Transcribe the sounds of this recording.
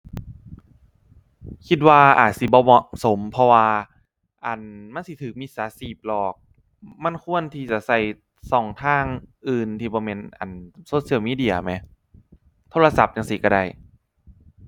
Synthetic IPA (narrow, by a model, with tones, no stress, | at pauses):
kʰi˧t̪̚waː˧ʔaː˨˩t̪̚si˧˦bɔː˧˦mɔ˨˧˩ʔso˨˩˦mpʰɔ˧waː˧ | ʔa˨˩nma˧˥˨nsi˧˦t̪ʰɯː˨˦k̚mi˧˩saː˨˦siː˨˩p̚lɔː˨˩k̚ | ma˧˥˨nkʰu˧˩˨ənt̪ʰiː˧˩t͡ɕa˨˩ʔsa˧˩j | sɔː˨˩˦ŋt̪ʰaː˧˥˩ŋʔɯː˨˩nt̪ʰiː˧bɔː˧˦me˧nʔa̰˨˩nsoː˧˦t̪si˧˩ə˨miː˧˥di˧˩ɐ˩ma˧˦j | t̪ʰoː˧˥˧la˧sa˨˩p̚ja˧˩ŋsi˧˦ka˧˩da˧˩j